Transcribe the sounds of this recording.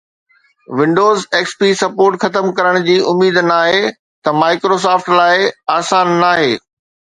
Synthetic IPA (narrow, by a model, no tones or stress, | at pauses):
ʋɪ̃ɳɖoːzeːkspiːsɐpoːɾʈxɐt̪əmkɐɾəɽ̃d͡ʑiːʔʊmiːd̪naːɦe | t̪ɐmaːɪkɾoːs̬aːfʈlaːɪaːsaːnːaːɦeː